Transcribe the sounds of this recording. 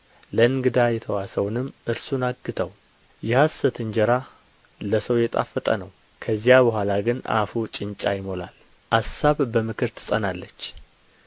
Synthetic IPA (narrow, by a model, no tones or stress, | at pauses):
ləɨŋɡɨd̪ajɛt̪ʰəwasəwnɨmːʔɨɾsunaɡːɨt̪ʰəw | jɛhasət̪ʰɨɲd͡ʒɛɾa | ləsəwjɛt̪ʼa̰fːət̪ʼə̰nəw | kʰəzijabəhʷalaɡɨna̰fut͡ʃʼɪnt͡ʃʼajɪmo̞la̰l | ʔasaβbəmɨkʰɨɾt̪ʰɨ̥sʼənalːət͡ʃː